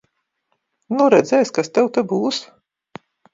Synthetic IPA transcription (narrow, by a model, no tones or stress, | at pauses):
nuɾɛd̪zʲɛːjskast̪ɛwt̪abuːs